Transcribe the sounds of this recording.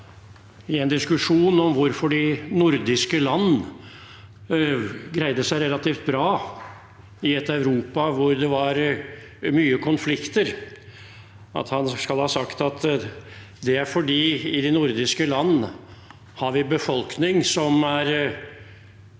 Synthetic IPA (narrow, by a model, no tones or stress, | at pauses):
ɪɛnd̪ɪskʉʂuːnɔmʋʊɾfɔɖɪnʊɾd̪ɪskəlɑnː | ɡɾæɪd̪əsæɪɾɛlɑt̪iːft̪̚bɾɑː | ɪɛt̪ːœʉɾuːpɑʋʊɾd̪ɛʋɑɾ | myːəkʰɔnflɪkt̪əɾ | ɑ̰t̪hɑnskɑlhɑːsɑkt̪ɑt̪ | d̪ɛæɾfɔɖiːɪd̪ɪnʊɾd̪ɪskəlɑnː | hɑɾʋɪbəfɔlknɪŋsɔmæɾ